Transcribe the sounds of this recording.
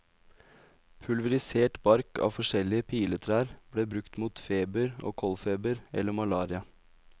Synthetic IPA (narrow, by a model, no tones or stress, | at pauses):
pʰʉlʋəɾɪseːʈbɑɾkɑ̰ːfɔʂɛlɪəpʰiːlət̪ʰɾæːɾb̥ɽeːbɾʉkt̪muːt̪feːbəɾo̰ːkʰɔlfeːbəɾɛ̰lːəmɑlɑːɾɪɑ